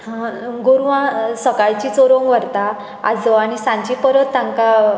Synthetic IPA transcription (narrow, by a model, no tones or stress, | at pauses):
ɡoɾuʋãsəkajt͡ɕit͡soɾõŋʋəɾt̪a | a̰d͡zɔañisãɲt͡ɕipəɾət̪ːãŋka